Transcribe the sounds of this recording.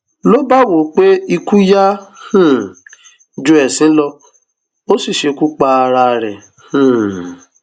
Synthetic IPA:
lo˦ba˦wo˨k͡pe˦i˧ku˦ja˦hũ˦˨ | d͡ʒu˧˦ɛ˨sĩ˨˦lɔ˧ | o˦si˦˨ʃe˧ku˦k͡pa˧ɾa˧˨ɾɛ˨ | hũ˦˨

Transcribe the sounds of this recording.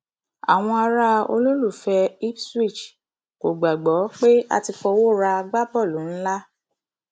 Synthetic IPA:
a̰˨w̃ɔ̃˧a˧ɾa˧o̰˧lo˦ɾu˦˨fɛ˧i˦pswi˦˨t͡ʃ | ko˨ɡ͡ba˨ɡ͡bɔ˨˦k͡pe˦a̰˧ti˧fɔ˧wo˦˨ɾa˧ɡ͡ba˦bɔ˦˨lu˨˦n̩˦la˦

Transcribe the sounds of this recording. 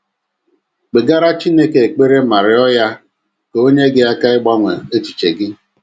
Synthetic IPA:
k͡pe˨ɡa˦ɾa˦t͡ʃi˦ne˦ke˨k͡pe˦ɾe˦ma˨ɾɪ˨ɔ˦ja˦ | ko˦ɲe˦ɡɪ˦a˦ka˦ɪ˦ɡ͡ba˦ŋʷe˨e˦t͡ʃi̥˨t͡ʃe˨ɡɪ˦

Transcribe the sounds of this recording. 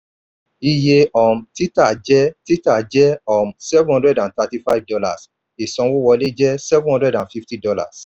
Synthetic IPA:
i˧je˧ɔ˨m̩˨ti˦ta˦˨d͡ʒɛ˦ti˦ta˦˨d͡ʒɛ˦ɔ˦˨msɛ˦vũ˦hɔ̃˦dɹɛ˦dã˨nta˧ti˦fa˦i˨vdɔ˧la̰˨s | e˨sɔ̃˧wo˦wɔ˧le˦d͡ʒɛ˦sɛ˦vũ˦hɔ̃˦ndɹɛ˨dã˨nfi˦fti˦dɔ˧la̰˨s

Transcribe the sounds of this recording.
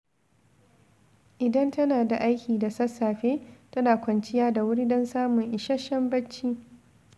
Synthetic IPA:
ʔɪ˨dɐ˦ntɐ˦naː˨da˨ʔa˦jkʲiː˨da˨sɐ˦sːaː˨ɸeː˦tɐ˦naː˨kʷɐ˨nt͡ʃɪ˦jaː˦da˨wʊ˦ɽdɐ˦nsaː˦mʊ˨ŋʔɪ˨ʃɐ˦ʃɐ˦mbɐ˦t͡ʃːiː˦

